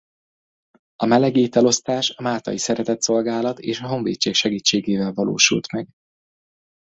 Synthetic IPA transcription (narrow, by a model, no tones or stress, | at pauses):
ɒmɛlɛɡeːt̪ɛlo̞st̪aːʃɒmaːlt̪ɒ̰jisɛɾɛt̪ɛt̪so̞lɡaːlɒt̪eːʃɒɦo̞ɱveːt͡ʃːeːkʃɛɡiːt͡ʃːeːɡeːvɛlvɒlo̰ːʃṵlt̪mɛɡ